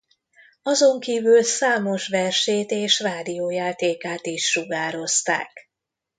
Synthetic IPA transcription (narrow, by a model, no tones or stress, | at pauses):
ɒzo̞ŋkiːvylsaːmo̞ʃʋɛrʃeːt̪eːʃraːd̪ijoːjaːt̪eːkaːt̪iʃːuɡaːɾo̞st̪a̰ːk